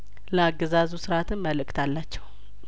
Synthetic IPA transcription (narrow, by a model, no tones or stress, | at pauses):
ləaɡːəzazusɨɾat̪ʰɨnməlɨkʼt̪ʰalːat͡ʃːɛw